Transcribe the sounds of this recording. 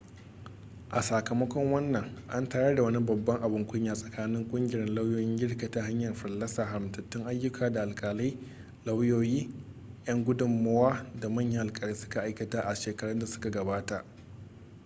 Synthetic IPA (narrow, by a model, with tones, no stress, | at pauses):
ʔa˨sa˨kɐ˨mɐ˦kʷɔ˦ŋwɐ˦nːɐ˨ŋʔa˦ntaː˦ɽɐ˦da˨wɐ˦ni˦bɐ˨bːɐ˦ŋʔa˨bʊ˨ŋkʷʊ˦ɲjaː˨sʼɐ˨kʰaː˦nɪ˦ŋkʷʼʊ˦ŋɡʲɪ˨ɾɛ˦nla˦wjoː˦jɪ˦ŋɡʲɪ˦ɽka˨ta˨ɦa˦ɲjɐ˨rɸɐ˨lːɐ˦saː˨ɦa˨ɽɪ˨mtɐ˨tːɪ˦ŋʔa˦jːʊ˦kʰaː˨da˨ʔa˨lkʼaː˨la˦j | la˦wjoː˦jiː˦jɐ˦ŋɡʷʊ˦dʊ˨mːɐ˦waː˦da˨mɐ˦˨ɲjɐ˦ŋʔa˨kʼaː˨liː˦sʊ̥˦ka˨ʔa˦jkɐ˨taː˦ʔa˨ʃeː˨kɐ˦ɽʊ˦nda˨sʊ̥˦ka˨ɡɐ˨baː˦ta˨ʔ